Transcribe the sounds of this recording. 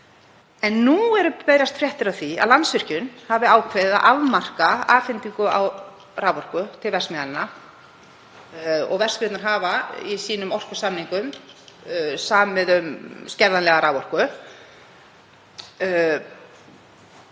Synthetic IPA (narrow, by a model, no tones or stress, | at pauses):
ɛnːuɛɾʏpeːjɾjast̪fɾjɛht̪ʏɾawθia̰ðlansvɪr̥cʏnhavɪaːwkʰveða̰ʔavmar̥kaaːfɪnt̪iŋkʏa̰w | raːwvɔr̥kʏt̪ʰɪlvɛrsmɛðanɪna | ɔ̰ɣvɛr̥skɾɪt̪naɾ̥ɦaːvaisiːnʏmɔr̥kʏ̥samniŋkʏm | saːmɪðʏmscɛɾðanlɛɣaɾaːwvɔr̥kʏ